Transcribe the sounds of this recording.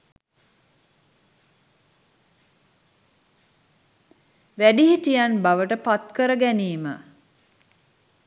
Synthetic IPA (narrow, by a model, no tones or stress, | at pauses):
ʋæɖiɦiʈijanbaʋəʈəpat̪kəɾəɡæniːmə̰